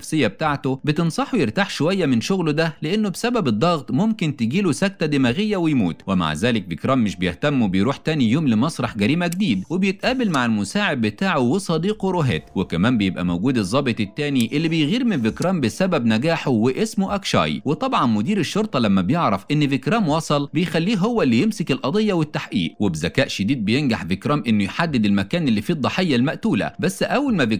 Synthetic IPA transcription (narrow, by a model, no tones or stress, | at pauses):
fsɪjːæbt̪aʕt̪obɪt̪ɪnsˤɑħujɪɾt̪aːħʃowæjːæmɪnʃoɣlod̪æleʔenːobsæbæbed̪ˤːɑɣt̪ˤmomkɪnt̪eɡiːlosæk̚t̪æd̪emæɣejːæwɪjmuːt̪wema̰ʕzæːlɪk̚vɪkɾˤɑːmmːɪʃbejeht̪æmːbejɾuːħt̪æːnijoːmlemɑsˤɾˤɑħɡæɾiːmæɡd̪iːd̪webjet̪ʔæːbɪlmaʕɪlmʊsaːʕeb̪̚bːɪt̪aːʕowesˤɑd̪iːquɾoɦæ̰ːt̪wɪkæmæːmbejebʔæ̰mowɡuːd̪ɨzˤːɑːbet̪ˤɪt̪ːæːniʔelːibejɣiːɾmɪnvɪkɾˤɑːmbɪsæbæbnæɡaːħowɪʔesmoʔækʃɑ̰ːjwet̪ˤɑbʕɑnmʊd̪iːɾɪʃːoɾˤt̪ˤɑlæmːæbjeʕɾˤɑfʔɪnːvɪkɾæːmwɑːsˤɑlbejxælːiːɦowːælːijemsɪkɪlʔɑd̪ˤejːɑwɪt̪ːaħʔḭːʔwɪbzækæːʔʃɪd̪iːd̪̚bejenɡaħvɪkɾɑːmʔɪnːʊjħad̪ːɪd̪ɪlmækæːnɪlːifiːd̪ˤːɑħejːælmæʔt̪uːlæ̰bæsːʔæwːælmævɪ